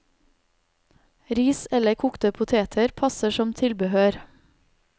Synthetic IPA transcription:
ɾiːsɛləkʰʊkt̪əpʰʊt̪ʰeːt̪ʰəɾpʰɑsəʃɔmt̪ʰɪlbəhøːɾ

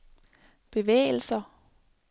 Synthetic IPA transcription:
b̥e̝ʋḛːl̩sɐ

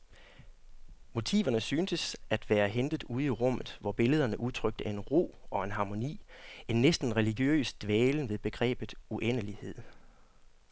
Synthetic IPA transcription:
mo̝t͡sʰḭːʋɐnəsyːnsəsæd̥ʋæːɐɦend̥ð̩ˠuð̞̩ˠiʁɔ̽m̰ð̞̩ˠʋɒb̥e̝ləð̞ˠɐnəʔuðˠt͡sʰʁœɡ̥̚d̥əæɐe̝nʁo̝̰ːɒ̽e̝nɦɑ̈ːmo̝nḭːe̝nːesd̥n̩ʁɛliɡ̥jø̰ːsd̥ʋɛːln̩ʋe̝ðˠb̥e̝ɡ̥ʁɛ̰ːb̥ð̩ˠuʔenəlihe̝ð̰ˠ

